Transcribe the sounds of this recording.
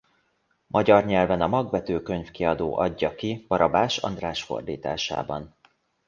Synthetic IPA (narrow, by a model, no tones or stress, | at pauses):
mʔɒɟɒrɲɛlvɛnɒmɒɡvɛt̪øːkø̞ɲfkiɒd̪oːʔɒɟːɒkib̥ɒɾɒbaːʃɒ̰nd̪raːʃfo̰rd̪ḭːt̪a̰ːʃa̰ːbɒn